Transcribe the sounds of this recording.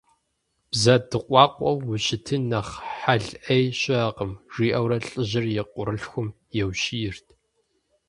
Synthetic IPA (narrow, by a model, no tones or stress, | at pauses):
b̥zɐdɨqʷʼɑːqʷʼɔwːʊɕɪtʰɨnɐχħaɮʔejɕʼɐqəmʐ̥iːʔɐwɾɐɬʼɨʑɪrjɛqʷʼʊɾɨɬxʷʊm | jɛwɕijɪrtʰ